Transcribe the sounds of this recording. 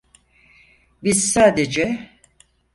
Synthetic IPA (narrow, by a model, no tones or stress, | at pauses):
biz̥saːd̪ed͡ʒɛ